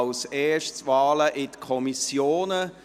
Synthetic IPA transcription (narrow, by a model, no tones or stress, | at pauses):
lseːʃtsvɑːləʔɪtəkʰɔmisjoːnə